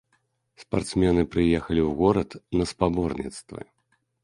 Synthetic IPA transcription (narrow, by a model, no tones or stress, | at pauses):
spa̰rt̪smʲɛnɨpɾɨjɛxɐlʲiwɣɔɾɐt̪nɐspabɔrnʲit̪st̪vɨ̰